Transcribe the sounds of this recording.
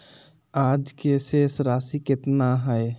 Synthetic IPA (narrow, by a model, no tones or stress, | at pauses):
aːd͡ʒkesesɾaːsikɪt̪naɦɛe